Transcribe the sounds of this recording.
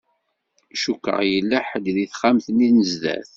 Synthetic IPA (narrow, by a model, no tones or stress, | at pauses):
ʃukːə̰ʁjəlːæħəd̪ðiθχamθəninəzðæ̰θ